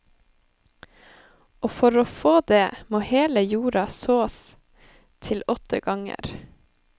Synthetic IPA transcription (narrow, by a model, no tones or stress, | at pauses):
ʔoːfɔɾoːfoːd̪eːmoːheːləjuːɾɑsoːs | t̪ʰɪlɔt̪ʰə̰ɡɑŋə̰ɾ